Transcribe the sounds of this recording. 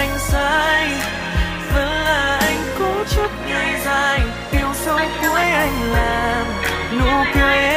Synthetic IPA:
jŋ̟saːj | vənlaːʔajŋ̟kɔt͡ɕut̚ŋəːjzaːjj | t̪iəwsəwkuəjʔajŋ̟laːmnṵk̪we

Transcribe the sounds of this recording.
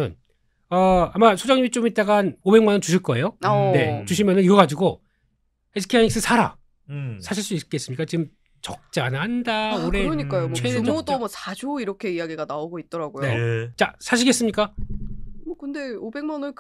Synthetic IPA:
ɯn | ʌamasʰod͡ʑaŋɲimit͡ɕ͈omit͈aɡaanobe̞ŋmanʌt͡ɕuɕʰiɭk͈ʌe̞joane̞t͡ɕuɕʰimjʌnɯniɡʌɡad͡ʑiɡo | esʰɯ̥kʰiaɲiks͈ɯsʰaɾa̰ | sʰaɕʰiɭs͈uik͈e̞s͈ɯmɲik͈at͡ɕiɯm | t͡ɕʌk̚t͡ɕ͈anɯɭhandaoɾeɯɾʌɲik͈ajomʰwemodomʌsad͡ʑuiɾʌkʰe̞ijaɡiɡanaoɡoit̚t͈ʌɾaɡojeot͡ɕasʰaɕ̬ʰiɡe̞s͈ɯmɲik͈a | okɯnde̞obe̞ŋmanɯnk

